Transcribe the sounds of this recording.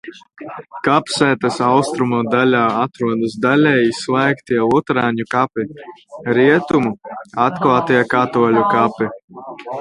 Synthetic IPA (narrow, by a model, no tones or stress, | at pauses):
kapsæːt̪asawst̪ɾumud̪alʲaːat̪ɾuɔd̪ɨsd̪alʲɛjislˠajkt̪iɛlˠut̪ɾaːɲʲukapiɾiɛt̪umuat̪klˠaːt̪iɛkat̪uɔlʲukapi